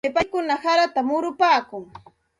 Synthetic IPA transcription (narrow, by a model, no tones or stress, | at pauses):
ɪpajkʊnahaɾat̪amʊɾʊpaːkʊŋ